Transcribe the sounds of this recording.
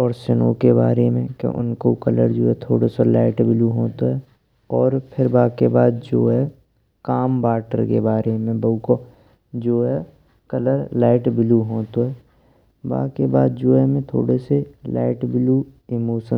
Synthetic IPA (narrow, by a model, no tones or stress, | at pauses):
ɔːɾsɪno̰keba̰ːɾemẽkḛʔʊ̰nkokələɾd͡ʒoːɛt̪ʰoːɽosolaːɪʈbɪluɦoːt̪oɦɛ | ɔːɾpʰɪɾbaːkebaːd̪̚d͡ʒoːɦɛ | kaːmbaːʈə̰ɾkḛbaːɾemẽbəuko | d͡ʒoːɦɛ | kələɾlaːɪʈbɪluɦoːt̪oɦɛ | ba̰ːkebaːd̪̚d͡ʒoːɛmẽt̪ʰo̰ːɽeselaːɪʈbɪluɪmoːʃə̃